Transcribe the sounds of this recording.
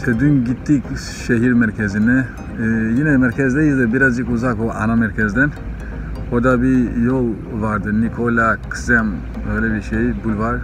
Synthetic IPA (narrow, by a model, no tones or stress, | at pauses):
sʰɛd̪ynɡit̪ːik | ʃɛɦiɾmɛɾkʰɛzinɛ | jinɛmɛɾkʰɛzd̪ɛjizɛbiɾɐzikuzakʰɔa̰namɛɾkʰɛzd̪ɛn | hɔd̪abijow | ʋaɾd̪ɛnːikʰɔlakʰzɛm | ɛlɛbiʃɛibulvaɡ